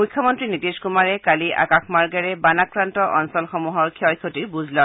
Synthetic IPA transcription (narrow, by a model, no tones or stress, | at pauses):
mʊjkʰːɔmɔntɹinitiskumaɹɛkaliʔa̰kaxmaɹɡɛɹɛbanakɹantɔʔɔnsɔlxɔmuɦɔɹkʰiɔjkʰotiɹbuzlɔ